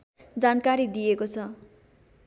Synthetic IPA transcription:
d͡zankaɾid̪iekot͡sʰʌ

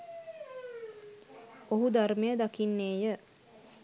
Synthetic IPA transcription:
oɦud̪aɾmejəd̪akinːeːjə

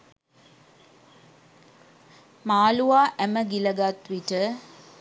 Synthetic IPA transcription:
maːluʋaːʔæməɡiləɡat̪ʋiʈə

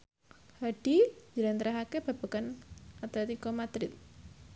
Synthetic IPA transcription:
haɖ̥id͡ʒəɾant̪əɾaɦakeb̥a̤b̥a̤kanat̪ɛt̪ikɔmat̪ɾɪt̪̚

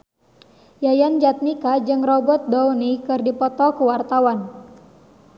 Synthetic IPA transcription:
jajand͡ʒat̪̚nikad͡ʒɨŋrɔbɔt̪̚dɔunikɨrdipɔt̪ɔkuwart̪awan

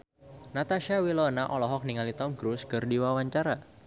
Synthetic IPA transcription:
nat̪aʃawilɔnaʔɔlɔɦɔk̚niŋalit̪ɔmɡɾuskərdiwawaɲt͡ʃaɾa

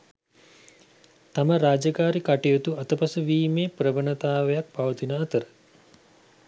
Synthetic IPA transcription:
t̪aməɾaːd͡ʒəkaːɾikaʈijot̪uɐt̪əpɐsəʋiːmeːprəbənət̪aːʋejak̚paʋət̪inəːt̪əɾə

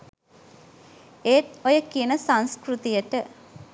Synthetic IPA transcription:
eːt̪ojəkiənəsanskɾut̪ijəʈə

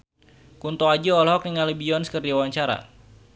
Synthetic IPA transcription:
kunt̪ɔad͡ʒuɔlɦɔk̚niŋalibiɔnsə̥kərdawaɲt͡ʃaɾa̰

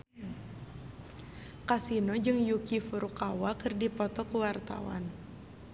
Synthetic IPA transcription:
kasinɔd͡ʒɨŋjukifuɾukawakɨrdipɔt̪ɔkuwart̪a̰wa̰n

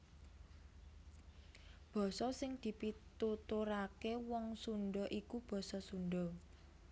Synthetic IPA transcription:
b̥ɔ̤sɔsɪŋd̪̥i̤pit̪ut̪uɾakewɔŋsunɖɔʔikub̥ɔ̤sɔsunɖɔ

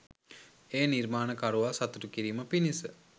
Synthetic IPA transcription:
eːnirmaːnəkaɾuʋasat̪utukiɾiːməpinisə

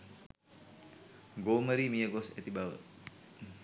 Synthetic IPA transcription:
ɡoməɾimiəɡosɛt̪ibawə̰

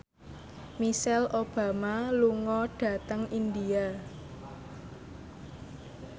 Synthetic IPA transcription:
misɛlob̥a̤maluŋɔɖ̥ä̤t̪əŋind̪ia

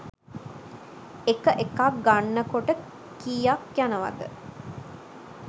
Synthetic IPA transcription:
ekəʔekak̚ɡanːəkoʈə | kijakjanəʋa̰d̪ə̰

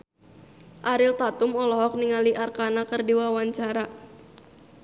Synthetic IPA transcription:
ʔaɾɪlt̪at̪ʊmɔlɔɦɔk̚niŋaliʔarkanakərdiwawaɲt͡ʃaɾa

